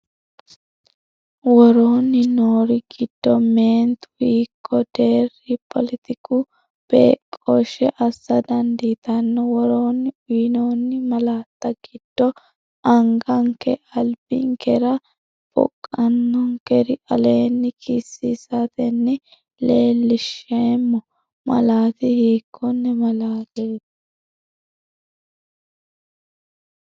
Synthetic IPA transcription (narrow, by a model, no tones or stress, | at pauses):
wɔɾoːnːɪnoːɾɪɡɪd̪̥ːɔmeːnt̪wiːkʰːɔd̪̥e̞ːrːɪpʰɔlɪt̪ɪkʊ | b̥ḛːkʼːoʃɛʔɐsːɐd̪ɐnd̪iːt̪ɐnːɛwɔɾoːnːɪʊjnoːnːɪmɐlaːt̪ːɐɡ̥ɪd̪̥ːɔ | ʔɐŋɡɐŋkɛʔɐlb̥ɪ̰ŋkɛɾɐ | b̥ɔ̰kʼːɐnːɔŋkɛɾɪʔɐleːnːɪkʰɪsːiːsat̪ɛnːɪ | leːlːɪʃemːɔ | mɐ̰laːt̪ɪheːkʰːɔnːɛmɐlaːleːt̪ɐ